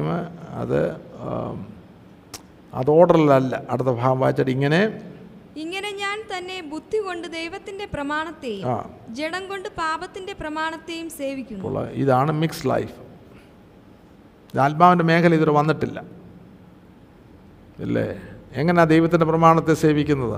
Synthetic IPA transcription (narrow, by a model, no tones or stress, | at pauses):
ɐmɐ̰ðɨ̰ | ɐ̰ðo̞ːɽɐrilɐlːɐɐɽɨt̪ːɐbʱaːɣɐmʋaːit͡ɕːaːʈiŋːɐne̞ | iŋːɐne̞ɲaːnt̪ɐnːe̞bud̪ʱːiko̞ɳɖɨd̪ejʋɐt̪ːinde̞prɐmaːɳɐt̪ːe̞ːjua̰ːd͡ʑeɽɐŋɡo̞ɳɖɨpaːbɐt̪ːinde̞prɐmaːɳɐt̪ːe̞ːjumse̞ːʋikʲːunːpo̰ːɭɐ̰ḭðaːɳɨmikslɐ̰jf | ðaːlmaːʋindeme̞ːkʰɐlɐiðiɾʋɐnːiʈːilːɐ̰ | ḭlːḛeŋːɐneaːd̪ejʋɐt̪ːindeprɐmaːɳɐt̪ːe̞se̞ːʋikʲːunːɐðɨ̰